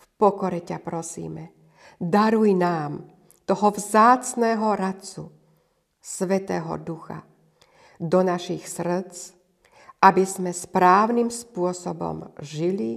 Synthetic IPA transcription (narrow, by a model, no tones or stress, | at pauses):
fpɔkɔɾɛcapɾɔsḭːmɛ | d̪aɾujnaːm | t̪ɔɦɔvzaːt͡snɛːɦɔɾat͡sṵ | sʋɛt̪ɛːɦɔ̰d̪uxa̰ | d̪ɔnaʃixsr̩t͡s | ʔabizmɛspɾaːʊnimspʊɔsɔbɔ̰mʒili